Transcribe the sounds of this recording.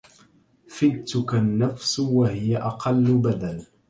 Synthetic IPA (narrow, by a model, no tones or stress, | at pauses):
fɪlt̪ʊkanːafswahɪjaʔɑqɑlːʊbad̪al